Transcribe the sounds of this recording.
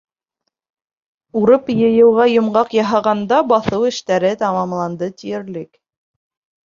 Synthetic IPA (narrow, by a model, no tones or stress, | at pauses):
uɾɤpjɤ̆jɤ̆wʁɑjŏmʁɑqjɑɦɑʁɑnd̪ɑbɑθɤwɘ̆ʃt̪æɾɘt̪ɑmɑmlˠɑnd̪ɤt̪ijɘ̆ɾlɘk